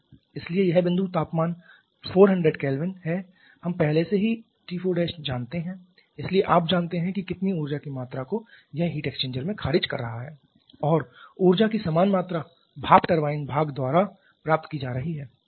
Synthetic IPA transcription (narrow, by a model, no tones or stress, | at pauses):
ɪsliejɛɦbɪ̃nd̪ʱut̪aːpmaːn | foːɾɦɐ̃ɳɖɾeːɖkɛːlʋɪnɦɛ | hɐmpɛɦleseɦi | ʈiːfoɖeːʃd͡ʒaːnt̪eɦɛ̃ | ɪslieʔaːp̚d͡ʒaːnt̪eɦɛ̃kikɪt̪niuːɾd͡ʒakimaːt̪ɾakojɛɦɦiʈeːkst͡ʃẽːɲd͡ʒəɾmẽkʰaːɾɪd͡ʒkɐ̰ɾːɐɦaɦɛː | ɔːɾuːɾd͡ʒakisamaːnmaːt̪ɾa | bʱaːkʈɐɾʋaːɪnbʱaːɡd̪waːɾa | pɾaːp̚t̪kid͡ʒaːɾɐɦiɦɛː